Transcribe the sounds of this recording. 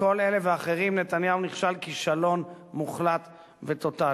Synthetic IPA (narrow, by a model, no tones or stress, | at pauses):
ko̞lele̞veaχeʁimnet̪anjauniχʃalkiʃalo̞n | muχlat̪ | vet̪o̞t̪a